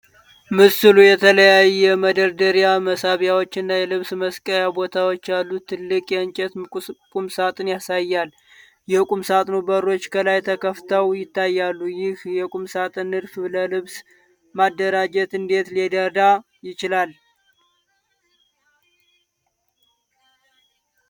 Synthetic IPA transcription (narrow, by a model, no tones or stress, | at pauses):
mɨsɨlujɛt̪ʰələjajːɛməd̪əɾd̪əɾijaməsaβjawo̞t͡ʃːɨnːajɛlɨβsməskʼəɾjabo̞t̪ʰawo̞t͡ʃːalːut̪ʰːɨlːɨkʼjɛɨnt͡ʃʼɛt̪kʼumsat̪ʼɨnjasajːal | jɛkʼumsat̪ʼnubəɾo̞t͡ʃːkʰəlajt̪ʰəkʰəft̪ʰəwjɪt̪ːajːalːujɪhjɛkʼumsat̪ʼɨnɨɾfləlɨβs | mad̪ːəɾad͡ʒɛt̪ɨnd̪e̞t̪led̪əd̪a | jɪt͡ʃɪlal